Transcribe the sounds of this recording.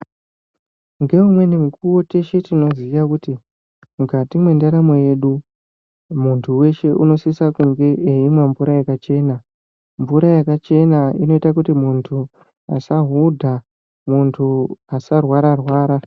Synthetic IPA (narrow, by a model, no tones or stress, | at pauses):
ŋɡe̞umwe̞nemikuwo̞te̞ʃe̞tino̞ziʋakuti | mukatimwe̞ndaɾamo̞je̞ɗu | muntʰuwe̞ʃe̞ʔuno̞sisakuŋɡe̞ʔeimwaɱvuɾajakat͡ʃe̞ːna | ɱvuɾajakat͡ʃe̞naino̞itakutimuntʰu | asaɦudʱa | muntʰuasarwaɾarwaːɾa